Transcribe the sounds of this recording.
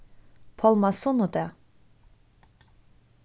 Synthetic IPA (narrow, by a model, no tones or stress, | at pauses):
pʰɔlˠmasunut̪ɛ